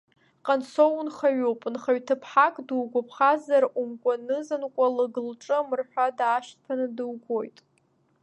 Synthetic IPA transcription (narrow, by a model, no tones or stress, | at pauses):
qʼansownχaɥowpʼnχaɥtʰɨpʰħakʼdɨwɡʷapʰχazarumkʷʼanɨzɨnkʷʼalɨɡɨlʈ͡ʂʼɨamɨrħʷᶣadaːʃtʰʼpʰanɨdɨwɡʷo̞jtʼ